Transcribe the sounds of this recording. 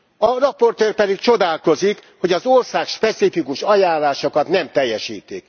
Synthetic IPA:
ɒrɒpːo̞rt̪øːrpɛd̪ikt͡ʃo̞d̪aːlko̞zikhoɟɒzorsaːkʃpɛt̪sifikuʃɒjaːnlːaːʃokɒt̪nɛmt̪ɛjːɛʃḭːt̪ik

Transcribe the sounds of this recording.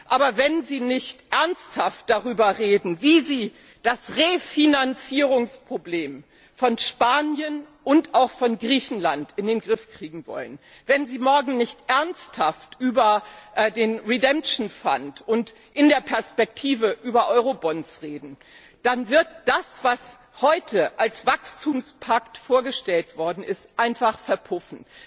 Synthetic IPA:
ʔaːbɐvɛnziːnɪçtʔɛɐnsthaft̚d̥aʁyːbɐʁeːdn̩viːziː | d̥asʁefinant͡siːʁʊŋspʁ̥obleːm | fɔnʃpaːnjənʔʊntaʊxfɔnɡʁiːçn̩lantɪndeːnɡʁɪfkʁ̥iːɡŋ̩vɔ̰lə̰n | vɛnziːmɔɐɡŋ̩nɪçtʔɛɐnsthaftʔyːbɐʔdeːnʁɛdɛmʃn̩fa̰ntʊnt | ʔɪndeːɐpʰɛɐspɛk̚tʰiːvəʔyːbɐʔɔʏʁobɔnsʁeːdn̩ | d̥anvɪɐt̚d̥asv̥as | hɔʏtʰəʔalsv̥akstʰuːmspʰaktfoːɐɡəʃtɛltv̥ɔɐdn̩ɪstʔaɪnfaχfɛɐpʰʊfn̩

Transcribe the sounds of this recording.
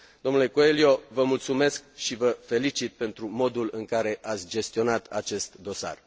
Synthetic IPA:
d̪̥o̞mnule̞koe̞lio̞vəmult̪sume̞skʃivəfe̞lit͡ʃit̪̚pe̞nt̪ɾumo̞d̪ulɨŋkaɾe̞ʔat̪sʲd͡ʒe̞st̪io̞nat̪a̰t͡ʃe̞st̪d̪o̞sa̰r

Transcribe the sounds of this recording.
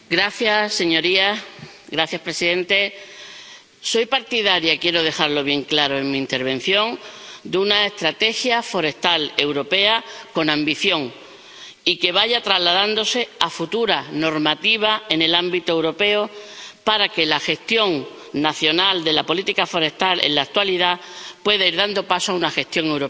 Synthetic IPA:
ɡɾaθjasːe̞ɲo̞ɾiaɡɾaθjaspɾe̞siðẽ̞nt̪e̞ | so̞jpaɾt̪iðaɾjakje̞ɾo̞ð̞e̞xaɾlo̞β̞je̞ŋklaɾo̞e̞ŋmĩːnt̪e̞ɾβ̞ẽ̞n̟θjo̞ŋd̪unae̞st̪ɾat̪e̞xjafo̞ɾe̞st̪ale̞wɾo̞pe̞ako̞nãmbiθjo̞ŋ | ike̞βaʝat̪ɾazlaðand̪o̞se̞afut̪uɾano̞ɾmat̪iβ̞ae̞ne̞lambit̪oewɾo̞pe̞opaɾake̞laxe̞st̪jo̞ŋ | naθjo̞nald̪e̞lapo̞lit̪ikafo̞ɾe̞st̪alḛnlak̚t̪waliðapwe̞ðaiɾðand̪o̞pasoaunaxe̞st̪jo̞ŋe̞wɾo

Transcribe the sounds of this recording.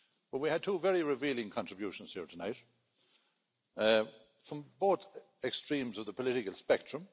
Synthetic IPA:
wəwiəd̚tʰuːvɛɹiɹɪviːlɪ̃ŋkʰɑ̃ntɹ̥ɨbjuʃə̃n̩z̥hiːɹtʰənaɪt | fɹʌ̃mboːθ | ɛkstɹ̥ĩmzʌvðəpʰəlɪɾɪkəlˠspɛk̚tɹ̥ə̃m

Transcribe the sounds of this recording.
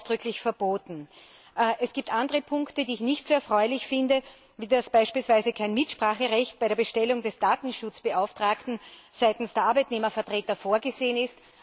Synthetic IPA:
sd̥ʁʏklɪçfɛɐb̥oːtn̩ | ʔɛsɡ̥iːp̚tʔandəʁəpʰʊŋktədiːɪçnɪçtz̥oːɛɐfʁ̥ɔʏlɪçfɪndə | viːdasb̥aɪʃpiːlsv̥aɪzəkʰaɪnmɪtʃpʁ̥aːχəʁɛçt̚b̥aɪɾeɐbəʃtɛlʊŋdɛsd̥aːtn̩ʃʊt͡sb̥əʔaʊftʁ̥aːktn̩ | z̥aɪtn̩sd̥eːɐʔaɐbɛɪtneːmɐfɐtʁ̥eːtɐfoːɐɡəzeːənɪst

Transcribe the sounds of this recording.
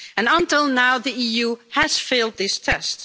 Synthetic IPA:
ɨ̃nə̃ntɪlˠnaʊðiijuhæz̥feɪlˠd̪̚ðɪstʰɛst

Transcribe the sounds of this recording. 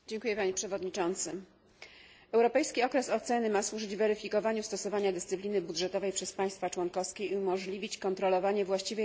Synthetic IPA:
d͡ʑɛŋkujɛpaɲɛpʂɛvɔd̪ɲit͡ʂɔnt̪sɘ | ɛwɾɔpɛjskʲiɔkɾɛsɔt̪sɛnɘmaswuʐɘd͡ʑvɛɾɘfʲikɔvaɲust̪ɔsɔvaɲad̪ɘst̪sɘplʲinɘbud̪ʐɛt̪ɔvɛjpʂɛspaj̃st̪fat͡ʂwɔnkɔfskʲeiumɔʐlʲivʲit͡ɕkɔnt̪ɾɔlɔvaɲɛvwaɕt͡ɕivɛ

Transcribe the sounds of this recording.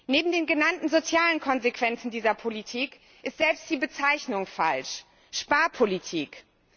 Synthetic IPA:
neːbm̩deːnɡənantn̩zot͡sjaːlənkʰɔnzekv̥ɛnt͡sn̩diːzɐpʰolitʰiːk | ʔɪstz̥ɛlpstd̥iːbət͡saɪçnʊŋfa̰lʃ | ʃpaːɐpʰolitʰiːk

